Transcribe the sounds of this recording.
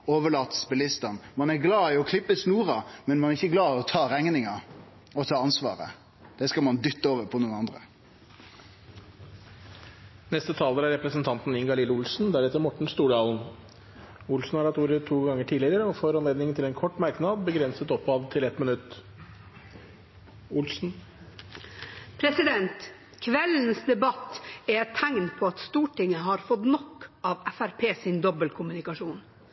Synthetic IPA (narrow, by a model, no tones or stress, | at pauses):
oːʋəɭɑːt̪sbɛlɪst̪ɑnmɑnæɾɡlɑːɪɔkʰlɪpːəsnuːɾɑmɛnmɑnæɾɪçːəɡlɑːɪɔt̪ʰɑːɾæŋnɪŋɑ | ɔt̪ʰɑːɑnsʋɑ̰ːɾə̰ | d̪̥ɛskɑlmɑnd̪ʏt̪ːəoːʋəɾpʰɔnuːnɑnd̪ɾə̰ | nɛst̪ət̪ʰɑːləɾæɾɛpɾəsnt̪ʰɑnt̪n̩ɪŋɡɑlɪləʊlsn̩d̪æɾɛt̪ːəɾmɔʈɳ̩st̪uːɖɑːln̩ | ʊlsn̩hɑɾɑt̪juːɾət̪ʰːuːɡɑŋːəʈʰiːlɪəɾəɔfɔɾɑnleːd̪nɪŋənʰɪlɛnkʰɔʈːmɑɾknɑd̪bəɡɾɛnsət̪ɔpːɑd̪t̪ʰɪlɛt̪mɪnʉt̪ː | ʊlsn̩ | pʰɾɛsɪd̪ɛnt̪ | kʰʋɛln̩sd̪ɛbɑt̪ːɛɛt̪ʰːæŋnpʰɔːɑt̪st̪uːʈɪŋːəɦɑɾfɔt̪nɔkːɑːʋɛfæɾpʰeːsɪnd̪ɔbəlkʰʊmʉnɪkɑʂuːn